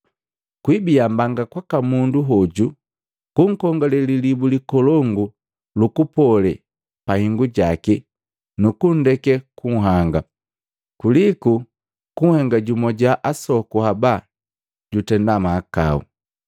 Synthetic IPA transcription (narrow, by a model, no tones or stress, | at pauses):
kwibiambaŋɡakwakamunduɦɔɟu | kuŋ̩kɔŋɡɔlɛlilibulikɔlɔŋɡu | lukupɔlɛ̰ | pahiŋɡuɟaki | nukundɛkɛkuŋɦaŋɡa | kuliku | kuŋ̩hɛŋɡaɟumɔɟaʔasɔkuhaba | ɟutɛndamaːka̰ṵ